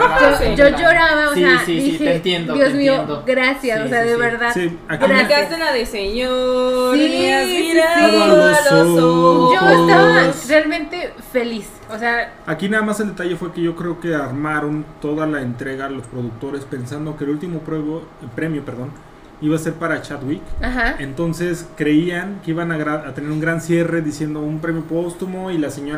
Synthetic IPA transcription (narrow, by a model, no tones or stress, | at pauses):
od͡ʒoʝoɾaβaoseiieent̪jend̪ojozmiod̪oɡɾasjasoseaðeβeɾðaðsi | akɡɾiɾaat̪elaðeseɲosiiaoesoooost̪aarealmẽnt̪e̞felis | osea | akinaðamase̞ld̪et̪aʝe̞fwe̞ke̞ʝo̞kɾe̞oke̞aɾmaɾo̞nt̪o̞ðalaent̪ɾe̞ɣalo̞spɾo̞ðuk̚t̪o̞ɾespe̞nsand̪o̞keːlult̪imopeβopɾe̞mjo̞pe̞ɾðo̞n | iβase̞ɾpaɾat͡ʃad̪wikahae̞nt̪o̞nse̞skɾe̞iaŋkeiβanaɣɾaat̪eneɾuŋɡɾansje̞re̞ðisje̞nd̪o̞umpɾe̞mjo̞po̞st̪umo̞ilase̞ɲoɾ